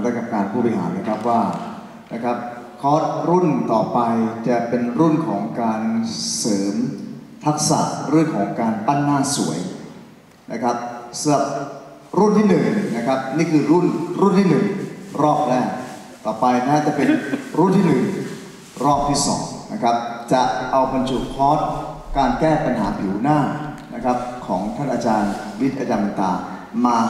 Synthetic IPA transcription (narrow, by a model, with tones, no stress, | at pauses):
daː˥˩ka˨˩kaː˧npʰuː˥˩bɔ˧i˧haː˩˦nːa˦˥˩kʰa˦˥p̚waː˥˩ | na˦˥˩kʰa˦˥p̚kʰɔː˦˥t̪̚ɾu˥˩nt̪ɔː˨˩pa˧jt͡ɕa˨˩pe˧nɾu˥˩nkʰɔː˩˦ŋkaː˧nsɤː˩˦mt̪ʰa˦˥k̚sa̰˨˩ʔɾɯ˥˩əŋkʰɔː˩˦ŋkaː˧npa˥˩nːaː˥˩nsṵ˩˦əj | nʔa˦˥kʰa˦˥p̚sa˨˦la˨˩p̚ | ɾu˥˩nt̪ʰiː˥˩nɯ˨˩ŋna˦˥kʰa˦˥p̚niː˥˩kʰɯː˧ɾu˥˩nɾu˥˩nt̪ʰiː˥˩nɯ˨˩ŋɾɔː˥˩p̚lɛː˥˩k | t̪ɔː˨˩pa˧jna˦˥a˦˥˩t͡ɕa˨˩pe˧nɾu˥˩nt̪ʰiː˥˩nɯ˨˩ŋ | ɾɔː˥˩p̚t̪ʰiː˥˩sɔ̰ː˩˦ŋna˦˥kʰa˦˥p̚t͡ɕa˨˩ʔa˧wba˧nt͡ɕʰu˨˩pʰɔː˦˥t̪̚kaː˧nkɛː˥˩pa˧nɦaː˩˦pʰi˨˩˦wnaː˥˩nʔa˦˥kʰa˦˥p̚kʰɔ̰ː˩˦ŋt̪ʰa˥˩nʔaː˧t͡ɕaː˧nwi˦˥t̪̚ʔaː˧t͡ɕaː˧na˨˩t̪a̰ː˧ | maː˧